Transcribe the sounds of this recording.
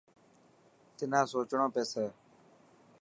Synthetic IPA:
t̪ɪnãːsoːt͡ʃɳõːpeːseː

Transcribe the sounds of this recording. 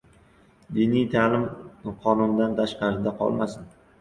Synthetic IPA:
d̪inijt̪ʰalɪmqʰɒnʊnd̪ant̪ʰaʃqɑɾɪd̪aqʰɒ̰lˠmasɪn

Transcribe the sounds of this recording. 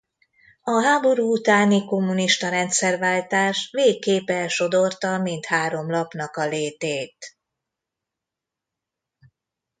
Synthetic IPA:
ɒɦaːbo̞ɾuːut̪aːniko̞mːuniʃt̪ɒɾɛnt̪sɛrvaːlt̪aːʃveːkːeːpɛlʃo̞d̪ort̪ɒmint̪haːɾo̞mlɒpnɒkɒleːt̪eːt̪

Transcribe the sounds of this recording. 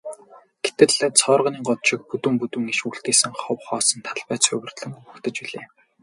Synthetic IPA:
ɡ̥et̪ɘ̆ɮt͡sʰɔːrʁə̆niːŋɢɔt̪ʃɪ̆k̚put̪uːmput̪uːŋiʃuɬt̪eːsɘ̆ŋχɔwχɔːsɞ̆nt̪ʰaɮpæːt͡sʊ̰wɘ̆r̥t̪ɮɘ̆ŋpukt̪ɘ̆t͡ɕpiɮeː

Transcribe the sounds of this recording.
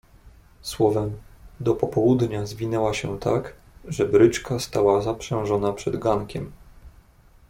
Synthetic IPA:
swɔvɛmd̪ɔpɔpɔwud̪ɲazvʲinɛwaɕɛt̪ʰak | ʐɛbɾɘt͡ʂkast̪awazapʂɛ̃w̃ʐɔnapʂɛd̪ɡaŋkʲɛm

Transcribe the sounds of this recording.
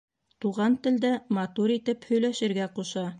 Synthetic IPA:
t̪uʁɑnt̪ɘ̆ld̪æmɑt̪uɾit̪ɘphɵ̆jlæʃɘ̆ɾɡæquʃɑ

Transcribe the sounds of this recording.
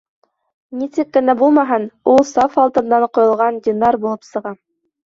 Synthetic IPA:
nisɘkːɘ̆næbulˠmɑɦɤnulˠsɑfɑlˠt̪ɤ̆nd̪ɑɴqŏjŏlˠʁɑnd̪ʲɪnɑɾbulˠɤpsɤ̆ʁɑ

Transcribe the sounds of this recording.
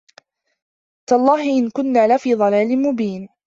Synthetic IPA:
t̪aʔlˤːɑːhɪʔɪnkʊnːaːlafiːðˤɑlaːlɪmʊbiːn

